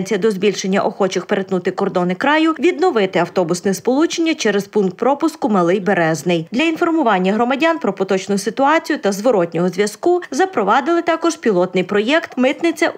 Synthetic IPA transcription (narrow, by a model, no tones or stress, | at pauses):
nʲt͡sʲijɐd̪ɔzbʲilʲʃe̞nʲːɐ̰ʔɔxɔt͡ʃɪxpeɾet̪nut̪ɪkɔrd̪ɔnɪkɾɑjʊʋʲid̪nɔʋɪt̪ɪɐwt̪ɔbʊsnɛspɔlˠut͡ʃenʲːɐt͡ʃɛɾespunkt̪̚pɾɔpʊskʊmɐlˠɪjbeɾɛznɪjd̪lʲɐinfɔrmʊʋɑnʲːɐɦɾɔmɐdʲɑnpɾɔpɔt̪ɔt͡ʃnʊsɪt̪ʊɑt͡sʲijʊt̪ɐzʋɔɾɔt̪ʲnʲɔɦɔzʋʲjɐskuzɐpɾɔʋɑd̪ɪlˠɪt̪ɑkɔʒpʲilˠɔt̪nɪjpɾɔjɛkt̪mɪt̪nɪt͡sʲɐ